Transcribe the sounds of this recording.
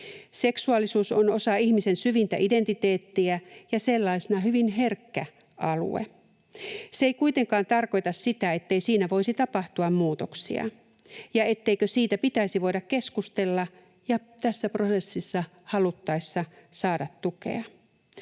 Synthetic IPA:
se̞ksuɑlːisuːsono̞sɑihmise̞nsyʋint̪æ̰ʔide̞nt̪it̪eːt̪ːiæjɑselːɑisenɑɦyʋinɦe̞rkːæ | ʔɑlṵḛ | seeikuit̪e̞ŋkɑːnt̪ɑrko̞jt̪ɑssit̪æe̞t̪ːe̞isiːnæʋo̞isit̪ɑpɑht̪uɑmmuːt̪oksḭɑ̰ | jɑe̞t̪ːe̞ikøsiːt̪æpit̪æisiʋo̞jɾɑkke̞skust̪e̞lːɑ | jɑt̪æsːæpro̞se̞sːisːɑ | hɑlut̪ːɑisːɑsɑːdɑt̪tːukḛɑ

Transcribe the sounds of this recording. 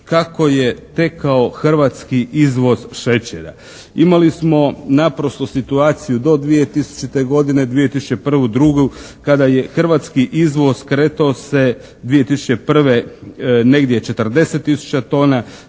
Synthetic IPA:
kako̞jet̪e̞kao̞xr̩ʋat̪skiʔizʋo̞zʃet͡ɕeɾa̰ | imalismo̞napɾost̪osit̪uaːt̪sijud̪o̞d̪ʋije̞t̪isu̥t͡ʃit̪e̞ɡo̞d̪ine̞d̪ʋijet̪isu̥t͡ɕepr̩ʋud̪ɾuɡukad̪aje̞xr̩ʋat̪skiʔizʋo̞zkɾeːt̪aose | d̪ʋije̞t̪isu̥t͡ɕe̞pr̩ʋene̞ɡd̪jet͡ʃe̞t̪ərd̪e̞set̪ːisu̥t͡ɕat̪o̞ːna

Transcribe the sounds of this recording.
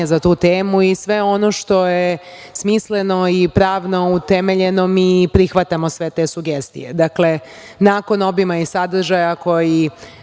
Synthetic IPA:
ezat̪uːt̪eːmuisʋe̞o̞noʃt̪o̞jesmisleno̞ipɾaːʋno̞ut̪eme̞ʎe̞no̞mipɾixʋat̪amo̞sʋe̞t̪e̞ːsuɡest̪ḭjḛd̪akle̞ | naːko̞no̞bimaisad̪r̩ʒajako̞ji

